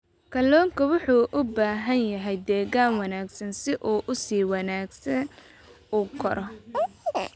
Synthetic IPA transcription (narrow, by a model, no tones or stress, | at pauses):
kʰɐlɔːŋkʰɐwʊħuːʔʊbaːɦɐnjɐɦɛjd̪ɛːɣaːnwɑnaːɡsɐnsɪʔuːʔʊsiːwɑnaːɡsɐn | uːkʰɔɾʔɔ